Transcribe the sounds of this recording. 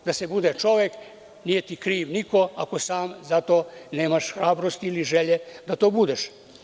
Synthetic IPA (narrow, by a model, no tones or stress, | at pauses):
d̪asebud̪et͡ʃo̞ʋek | niːjet̪ikɾiːʋniko̞ako̞saːmzat̪oːneːmaʃxɾaːbɾost̪iiliʒeʎed̪at̪oːbud̪eʃ